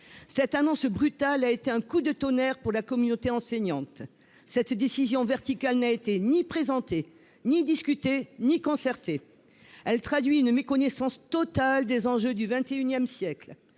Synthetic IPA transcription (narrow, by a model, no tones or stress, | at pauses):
sɛt̪anɔ̃sbʁyt̪alaet̪eɛ̃kud̪ət̪ɔnɛʁpuʁlakɔmynot̪eɑ̃sɛɲɑ̃t̪ | sɛt̪d̪esizjɔ̃vɛʁt̪ikalnaet̪enipχezɑ̃t̪e | nid̪iskʲyt̪enikɔ̃sɛʁt̪e | ɛlt̪χad̪ɥiynmekɔnɛsɑ̃st̪ɔt̪ald̪ezɑ̃ʒød̪yvɛ̃t̪eynjɛmsjɛkl